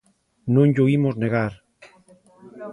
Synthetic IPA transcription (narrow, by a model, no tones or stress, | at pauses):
nõŋʎoimozneɣaɾ